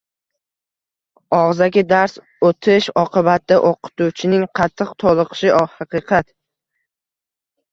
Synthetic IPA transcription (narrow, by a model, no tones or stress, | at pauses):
ɒʁzaɡʲɪd̪aɾs | ot̪ʰɪʃɒqʰɨbat̪̚d̪aʔoqʰɨ̥t̪ut͡ʃʰɪnɪŋqʰɑt̪ʰːɨqt̪ʰɒlˠɨqʰʃɪhɑqʰɨqʰɑt̪